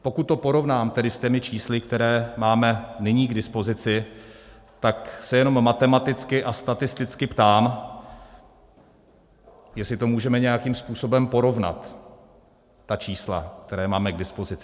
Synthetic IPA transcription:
po̞kut̪̚ːo̞po̞ɾo̞vnaːmt̪ɛdɪsc̪ɛmɪt͡ʃiːslɪkt̪ɛɾɛːmaːmɛnɪɲiːɡdɪspo̞zɪt͡sɪ | t̪aksɛjɛno̞mːat̪ɛmat̪ɪt͡skɪʔast̪at̪ɪst̪ɪt͡skɪpt̪aːm | jɛslɪt̪o̞muːʒɛmɛɲɛjakiːmspuːso̞bɛmpo̞ɾo̞vna̰t̪ | at͡ʃiːsla̰k̚t̪ɛɾɛːmaːmɛɡdɪspo̞zɪt͡sɪ

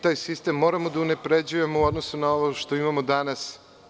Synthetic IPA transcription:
t̪aːjsist̪e̞mːo̞ːɾamod̪aune̞pɾe̞d͡ʑuje̞mouod̪no̞sunaoʋoʃt̪o̞imamod̪anas

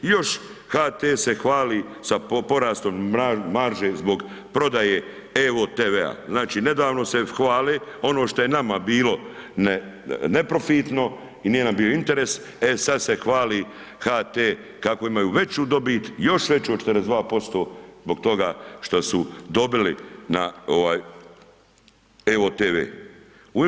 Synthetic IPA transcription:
jo̞ʃ | haːt̪eːse̞xʋaːli | sapo̞ɾaːst̪o̞mːaːaɾʒeːzbo̞ɡ | pɾo̞d̪ajeː | eot̪eːʋea̰znaːt͡ʃiːne̞d̪aːʋno̞se̞xʋaːleo̞noʃt̪o̞je̞namabiːlo̞ne | ne̞pɾo̞fit̪no̞ | inije̞nambioint̪e̞ɾes | esad̪se̞xʋaːli | xaːt̪eː | kako̞imajuːʋe̞t͡ɕuːd̪o̞biːt̪jo̞ʃʋe̞t͡ɕuːot͡ʃet̪ɾezd̪ʋaːpo̞st̪o̞ːzbo̞ɡ̚t̪o̞ɡaːʃt̪osud̪o̞bilinaoʋaːj | eoːt̪eːʋḛː | u

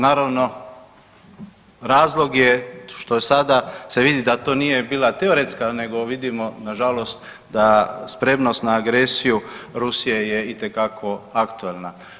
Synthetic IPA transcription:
naːɾaʋno̞ | ɾaːzlˠo̞ɡjeʃt̪ojesad̪ase̞ʋid̪id̪at̪oːnije̞biːlat̪eoɾet̪skane̞ɡo̞ʋid̪imo̞naʒalo̞st̪ | d̪aspɾe̞mno̞st̪naːɡɾesijuɾusije̞je̞it̪e̞kakʰo̞akt̪uelˠna

